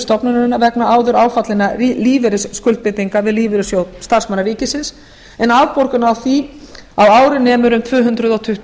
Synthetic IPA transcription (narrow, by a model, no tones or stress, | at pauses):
st̪ɔpnʏnʏnːavɛknaaːwðʏɾaːwfat̪lɪnariliːvɛɾɪsːkʏlt̪̚pɪt̪ːiŋkavɪðliːvɪɾɪsjowst̪ar̥smanaɾiːcɪsɪns | ɛnawpoɾkʏnaːwθi | awaːwɾɪnɛːmʏɾʏmt̪ʰvœːɦʏnt̪ɾʏðɔwt̪ʰʏht̪